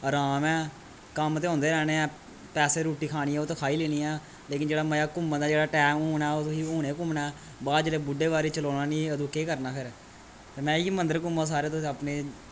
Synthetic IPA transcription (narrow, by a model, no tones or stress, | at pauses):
əɾaːmɛː | kəmt̪eːɦõːnd̪eːɾɛːneːɛː | pɛːseːɾuːʈiːkʰaːñiːɛːoːt̪ːkʰaːiːleːniːɛː | leːkɪnd͡ʒeːɽaːməjaːkʊmːəd̪aːd͡ʒeːɽaːʈɛːmuːnɛːoːt̪ʊsiːuːñeːkʊmnɛː | baːd͡ʒeleːbʊɖeːʋaːɾiːt͡ʃəloːnaːniːəd̪uːkeːkəɾnaːpʰɪɾ | t̪eːmɛ̃ːiːmənd̪əɾkʊmːaːs̬aːɾeːt̪ʊsiːapneː